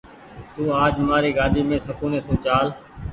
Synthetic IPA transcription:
t̪ũːaːd͡ʒmaːɾiːɡaːɗ̪ʱiːmẽːsəkuːneːsũːt͡ʃaːl

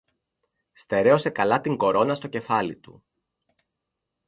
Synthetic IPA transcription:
st̪e̞ɾe̞o̞se̞kɐlɐt̪iŋɡo̞ɾo̞nɐst̪oce̞fɐlḭt̪ṵ

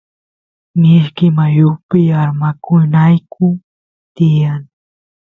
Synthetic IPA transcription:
nɪʃkɪmajʊpɪaɾmakʊnajkʊ | t̪ɪjaŋ

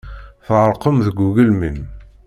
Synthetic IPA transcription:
θʁəɾˤqəmðəɡʷuɣəlmən

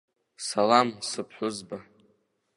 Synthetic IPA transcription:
salamsɨpʰħʷʊzba

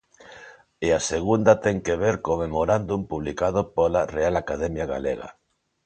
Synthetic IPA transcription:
easeɣund̪at̪ɛŋkeβ̞eɾkomemoɾand̪umpuβ̞likað̞opolarealakað̞ɛmjaɣa̰lḛɣa̰

